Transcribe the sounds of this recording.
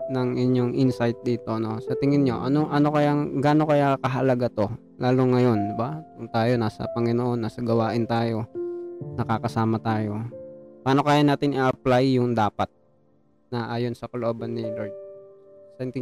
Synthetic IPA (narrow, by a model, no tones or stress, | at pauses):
nɐŋʔɪɲjoŋʔɪnsajt̪̚d̪iːt̪o̞no̞sɐt̪ɪŋɪnɲo̞ʔɐ̰noŋʔɐno̞kɐjaɡaːno̞kɐjakɐɦɐlɐɡat̪o̞ | laːloŋɐjo̞nd̪ɪbat̪ʊŋt̪aːjo̞naːsɐ̰pɐŋɪnoʔo̞nːaːsɐɡɐwaːʔɪnt̪aːjo̞nɐkakɐsaːmɐt̪aːjo̞paːno̞kaːjanaːt̪ɪnɪʔɐplajːʊŋd̪aːpɐt̪̚ | nɐʔaːjo̞nsɐkɐlʊʔoːbɐnːɪloɹt̪̚ | snt̪ɪ